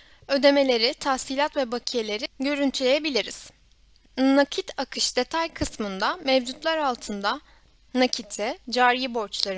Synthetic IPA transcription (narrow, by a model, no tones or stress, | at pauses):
ø̞d̪e̞me̞lʲe̞ɾit̪ʰahsilʲat̪vɛbacʰijelʲe̞ɾiɟø̞ɾynt̪ʰylʲe̞je̞bilʲiɾiz̥ | nacʰit̪ʰakʰɯʃd̪e̞t̪ʰajkʰɯsmɯnd̪amɛvd͡ʒut̪lˠaɾalˠt̪ʰɯnd̪a | nacʰit̪ʰɛd͡ʒaːɾijibo̞ɾt͡ʃlˠaɾɯ